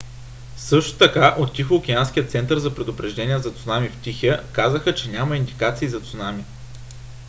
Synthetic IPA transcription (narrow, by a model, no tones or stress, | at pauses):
sɤʃt̪o̥t̪ɐkaʔot̪ːixoːk̟ʲiansk̟ʲijət̪sɛnt̪əɾzɐpɾɛd̪ʊpɾɛʒd̪ɛnʲiɛzɐt̪sʊnamift̪ʲixəkazəxət͡ʃɛnʲamɐind̪ikat̪siːzɐt̪sʊnami